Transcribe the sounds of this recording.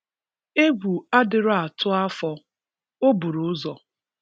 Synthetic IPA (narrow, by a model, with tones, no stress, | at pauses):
e˦bu˨a˦dɪ˨ɾʊ˦a˨tʰʊ˦a˦fɔ˦ | o˦bu˨ɾʊ˨˦zɔ˨